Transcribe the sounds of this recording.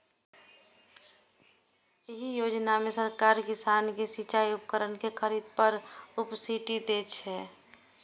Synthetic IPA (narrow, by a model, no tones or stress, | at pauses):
eɦijoːd͡ʒnamẽsəɾkaːɾkɪsaːnkesit͡ʃaiup̚kəɾənkekʰəɾiːd̪̚pəɾʊpsiʈid̪et͡ʃʰɛ